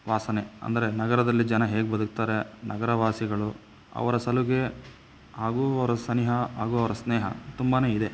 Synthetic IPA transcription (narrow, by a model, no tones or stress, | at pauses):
ʋaːsɐneɐ̰nd̪ɐɾe̞nɐɡɐɾɐd̪ɐlːid͡ʒɐnɐɦe̞ːɡebɐd̪uk̚t̪aːɾe̞nɐɡɐɾɐʋaːsiɡɐɭu | ɐ̰ʋɐɾɐsɐluɡe̞ | ɦaːɡuːɐʋɐɾɐsɐniɦɐɦaːɡuːɐʋɐɾɐsneːɦɐ̰t̪umbaːne̞ːid̪e̞